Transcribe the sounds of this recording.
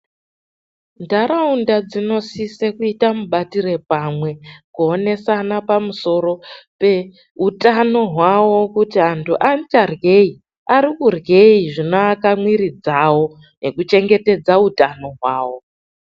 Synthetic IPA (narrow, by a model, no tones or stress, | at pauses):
ndaɾaundad͡zino̞sisekuitamuɓatire̞pamwe̞kuone̞sanapamuso̞ɾo̞pe̞ | utʼano̞ɦwawo̞kutiantʰuʔantarɡe̞i | aɾikurɡe̞iʐinoːkamwiɾid͡zawo̞ | ne̞kut͡ʃe̞ŋɡe̞te̞d͡zautano̞ɦwaːwo